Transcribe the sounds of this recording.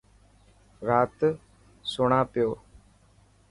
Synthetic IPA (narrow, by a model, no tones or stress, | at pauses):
ɾaːt̪ | sʊɳ̃ãːpɪjoː